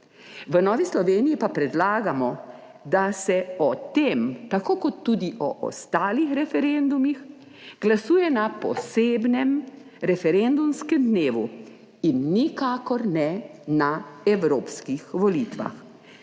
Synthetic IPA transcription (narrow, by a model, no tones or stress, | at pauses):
ʋənɔːʋislɔʋeːnijipapɾɛd̪laːɡamɔ | d̪asɛɔt̪eːmt̪akoːkɔt̪ːuːd̪iʔɔ̰ʔɔ̰st̪aːlixɾɛfɛɾend̪umix | ɡ̥lasuːjɛnapɔ̰seːbnɛm | ɾɛfɛɾend̪umskɛmd̪neːʋu | inːikaːkɔɾnɛnaɛwɾoːpskixʋɔlit̪ʋa̰x